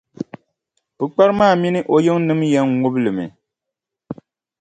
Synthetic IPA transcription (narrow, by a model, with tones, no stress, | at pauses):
bɨ˨k͡pa˦ɾɨ˦maː˦˨mi˦nɨ˦ʔo˦ji˦ŋnɨ˦mjɛ˦ŋŋu˦bɨ˦lɨ˨mɨ̰˨